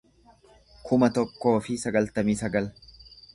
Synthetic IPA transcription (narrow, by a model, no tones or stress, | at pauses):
kʰʊmɐt̪ɔkːo̞ːfɪsɐɡɐlt̪ɐmiːsɐɡɐl